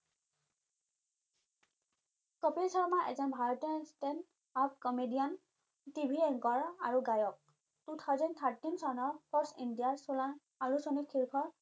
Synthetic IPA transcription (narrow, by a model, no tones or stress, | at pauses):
kɔpisɔɹmaʔɛ̰zɔnbʱaɹɔtɔstɛn | ap̚kɔmedijan | tibʱiɛŋkɔɹaɹuɡajɔk̚ | d̥ut̪ʰawzɔnt̪ʰatinsɔnɔɹpʰɔɹsindiasulan | aɹusonikʰiɹkʰɔɹ